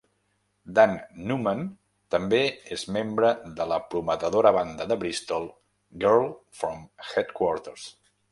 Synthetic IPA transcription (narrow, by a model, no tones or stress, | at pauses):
d̪anːumən | t̪əmbeezmembɾəðələpɾumət̪əðoɾəβand̪əðəβɾist̪olˠ | ɡɛɾlˠfɾomxɛt̪kwɔɾt̪əɾs